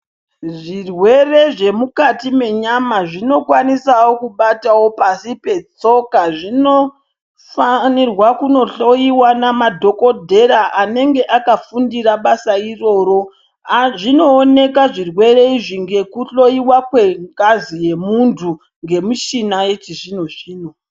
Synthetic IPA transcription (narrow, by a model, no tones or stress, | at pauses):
ʐirwe̞re̞ʐe̞mukatime̞ɲamaʐino̞kwanisawo̞kuɓatawo̞pasipe̞t͡so̞kaʐino | fanirwakuno̞ɬo̞iwanamadʱo̞ko̞dʱe̞ɾaʔane̞ŋɡe̞ʔakafundiɾaɓasairo̞ːɾo̞ | ʐino̞ːne̞kaʐirwe̞re̞iʐiŋɡe̞kuɬo̞iwakwe̞ŋkazije̞muntʰu | ŋɡe̞mut͡ʃinaje̞t͡ʃiʐino̞t͡ʃiːno